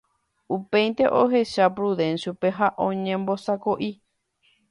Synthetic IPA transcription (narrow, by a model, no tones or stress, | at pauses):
upe̞jnt̪e̞ʔoɦe̞ʃapɾuðẽnʃupeɦaʔõɲẽmbo̞sakoʔi